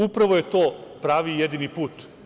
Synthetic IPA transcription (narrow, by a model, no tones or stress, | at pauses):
upɾaʋoje̞t̪oːpɾaːʋijed̪inipuːt̪